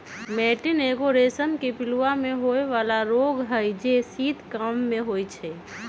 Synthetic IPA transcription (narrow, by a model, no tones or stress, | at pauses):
mɛːʈɪneɡoɾesəmkepɪluwamẽɦoeʋaːlaɾoɡɦəjd͡ʒesiːd̪ʱkəmːẽɦojt͡ʃʰɛ